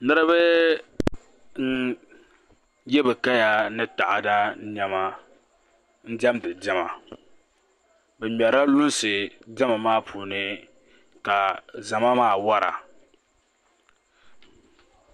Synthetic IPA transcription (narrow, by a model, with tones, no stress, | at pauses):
nɨ˦ɾɨ˦bɨ˦ | n̩˦ | jɛ˦bɨ˨ka˦ja˨nɨ˦ta˨ʔa̰˨da˦ɲɛ˨ma˦ | n̩˦d͡ʒɛ˦mdɨ˨d͡ʒɛ˦ma̰˨ | bɛ˨mɛ˨ɾa˦lʊ˦nsɨ˨d͡ʒɛ˦ma˨maː˦pʰuː˨nɨ˦ | ka˨za˨ma˦maː˦˨wa˦ɾa̰˨